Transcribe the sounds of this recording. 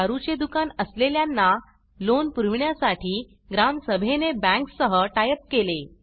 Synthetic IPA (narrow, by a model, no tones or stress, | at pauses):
aɾut͡ɕed̪ukanəsleljanːa | lonpuɾʋɳjasaʈiː | ɡɾamsəbʱenebɛ̃ŋksəɦəʈajəp̚kele